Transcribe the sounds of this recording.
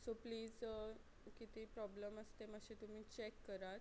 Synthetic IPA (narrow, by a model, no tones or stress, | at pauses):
sopliːd͡z | kit̪iːpɾɔbləməst̪eməɕẽt̪um̤iːt͡ɕekːəɾat̪